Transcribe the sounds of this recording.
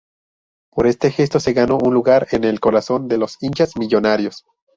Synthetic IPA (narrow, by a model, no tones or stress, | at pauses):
po̞ɾe̞st̪e̞xe̞st̪o̞se̞ɣano̞ʔunluɣaɾene̞lko̞ɾaso̞nd̪e̞lo̞sint͡ʃasmiʝo̞naɾjo̞s